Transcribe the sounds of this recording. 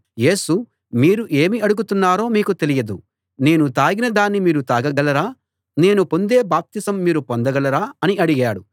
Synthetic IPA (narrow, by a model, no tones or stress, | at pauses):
je̞ːsu | miːɾuʔe̞ːmiɐɽuɡut̪unːaːɾo̞ːmiːkut̪e̞lijɐd̪u | ne̞ːnut̪aːɡinɐd̪aːnːimiːɾut̪aːɡɐɡɐlɐɾaː | ne̞ːnupo̞nd̪e̞ːbaːp̚t̪isɐmːiːɾupond̪ɐɡɐlɐɾaːɐniɐɽiɡaːɽu